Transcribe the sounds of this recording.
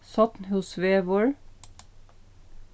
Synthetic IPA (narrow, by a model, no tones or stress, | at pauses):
sɑt̪n̩hʊsʋeːʋɔɹ